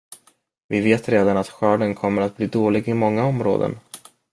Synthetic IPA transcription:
vɪveːt̪ɾeːd̪anat̪ɧœːɖənkʰɔmːəɾat̪̚bliːd̪oːlɪɡɪmɔŋːaɔmɾo̰ːd̪ə̰n

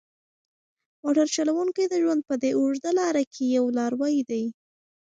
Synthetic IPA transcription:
moʈaɾt͡ʃalawuŋkajd̪əʒwand̪̚pəd̪euʐd̪alɑɾakʰejawlɑɾwɑjd̪aj

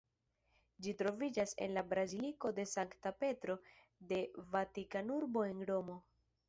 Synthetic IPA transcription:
d͡ʒitɾo̞vid͡ʒase̞̰nlabɾaziliko̞de̞saŋktape̞tɾo̞ | de̞vatikanuɾbo̞e̞nɾo̞mo̞

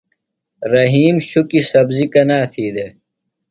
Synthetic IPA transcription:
ɾɐɦiːmɕukisɐbzikɐnaːt̪ʰiːd̪e

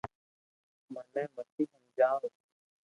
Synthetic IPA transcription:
mənːɛ̃ːməsiːɦə̃nd͡ʒaːm

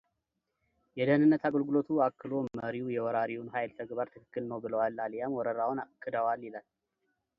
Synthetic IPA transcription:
jɛd̪əhnɨnːət̪aɡəlɡulo̞t̪ʰuakːɨlo̞məɾiujɛwɔɾaɾiwunɦajlt̪ʰəɡbaɾt̪ʰɨkɨkːɨlnəwbɨləwalːaljamwɔɾəɾawʊnakʰːɨd̪əwaljɪlal

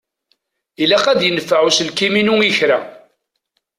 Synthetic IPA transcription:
ilæqæd̪jənəfːaʕuslkiminuŋiçɾa

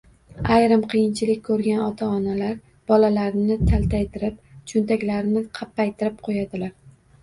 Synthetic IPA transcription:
ajɾɪmqʰɨjɪnt͡ʃʰɪlɪk̚ʲkʰːɵɾɡʲanɒt̪ʰaɒnalaɾ | b̥ɒlalaɾɪnɪt̪ʰalt̪ʰajt̪ʰɪɾɪp̚t͡ʃʰʊnt̪ʰakʲlaɾɪnɪqʰɑpːajt̪ʰɪɾɪp̚qʰojad̪ɪlaɾ

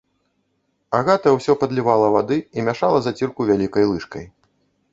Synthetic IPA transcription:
aɣat̪ɐwsʲɔpɐd̪lʲivalˠɐvad̪ɨimʲaʂalˠɐzat͡sʲirkuvʲalʲikɐjlˠɨʂkɐ̰j

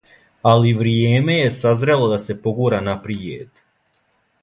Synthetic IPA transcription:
aliʋɾijeːme̞je̞sazɾelˠod̪ase̞po̞ɡuɾanapɾiḛd̪

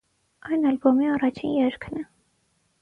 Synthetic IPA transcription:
ɑjnɑlbɔmiɑrɑt͡ʃʰinjɛɾkʰnɛ

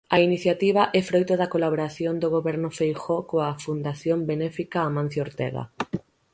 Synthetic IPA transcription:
ainiθjat̪iβ̞aʔɛfɾojt̪ʊðɐkolaβoɾaθjond̪oɣoβɛɾnʊfejxɔkoafund̪aθjombenɛfikaːmãn̟θjoɾt̪ɛɣa̰

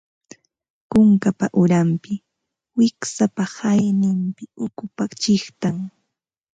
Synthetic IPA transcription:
kʊŋkapaʔʊɾampɪ | wɪksapahajnɪmpɪʊkʊpat͡ʃɪχt̪aŋ

